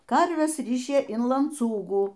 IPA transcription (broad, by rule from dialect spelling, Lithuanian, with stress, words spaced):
ˈkɐrʲʋʲɛs ˈrʲɪʃʲeː ɪn lˠɐnˈt͡suːɡuː